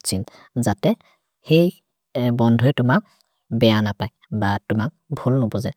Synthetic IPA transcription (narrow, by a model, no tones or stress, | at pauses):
sin | zatɛ | xej | bɔndʱɔɛtʊmak̚ | bɛjanapaj | batʊmak̚bʱulnɔbɔza